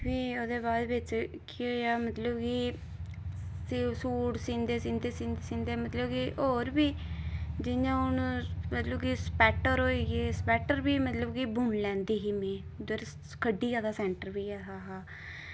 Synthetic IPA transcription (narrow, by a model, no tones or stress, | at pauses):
ʋiːoːd̪eːbaːd̪ʋɪt͡ʃkioːjaːmət̪ləbki | sisuːɽsĩːnd̪eːsĩːnd̪eːsĩnd̪esĩnd̪eːmət̪ləbkiʔoːɾbiːd͡ʒɪjãːʊnmət̪ləbkiːspɛːʈəɾɦoːiːɡeːspɛːʈəɾbiːmət̪ləbkiːbʊɳlɛ̃ːnd̪iːɦiːmɛ̃ː | d̪əɾ | kʰəɖːiːd͡ʒaːd̪aːsɛ̃ːɳʈəɾbiːɛːɦaːɦaː